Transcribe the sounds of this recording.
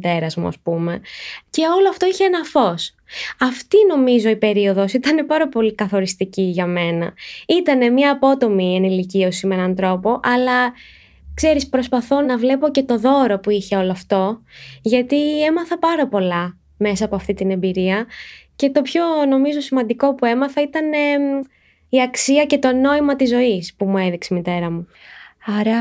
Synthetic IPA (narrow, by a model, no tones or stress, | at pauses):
t̪eɾɐzmṵɐ̰spume̞ce̞o̞loɐft̪o̞içeenɐfo̞s | ɐft̪ino̞mizo̞ipe̞ɾio̞ðo̞sit̪ɐne̞pɐɾɐpo̞likɐθo̞ɾist̪iciʝɐme̞nɐ̰it̪ɐne̞mɲɐːpo̞t̪o̞mienilicio̞simeenɐnt̪ɾo̞po̞ʔɐlɐ | kse̞ɾispɾo̞spɐθo̞nɐvle̞po̞ce̞t̪o̞ðo̞ɾo̞puiçe̞o̞loɐft̪o̞ʝɐt̪ie̞mɐθɐpɐɾɐpo̞lɐ | me̞sɐːpo̞ɐft̪it̪ine̞mbiɾiɐce̞t̪o̞pço̞no̞mizo̞simɐnd̪iko̞pue̞mɐθɐit̪ɐne̞ | iɐksiɐce̞t̪o̞no̞imɐt̪izːo̞ispumue̞ðiksemit̪e̞ɾɐmuaɾ